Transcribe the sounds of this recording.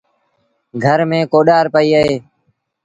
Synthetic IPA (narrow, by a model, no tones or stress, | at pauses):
ɡʱəɾmẽːkoːɗaːɾpəiːəɦeː